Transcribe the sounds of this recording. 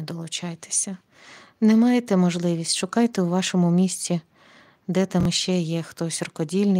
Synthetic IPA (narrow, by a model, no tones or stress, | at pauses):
d̪ɔlˠʊt͡ʃɑjt̪e̥sʲɐ | nɛmɑjet̪ɛmɔʒlˠɪʋʲisʲtʲʃʊkɑjt̪ewʋɑʃɔmʊmʲisʲtʲi | d̪ɛt̪ɑmʃt͡ʃɛjɛxt̪ɔsʲrɔkɔdʲilʲnɪ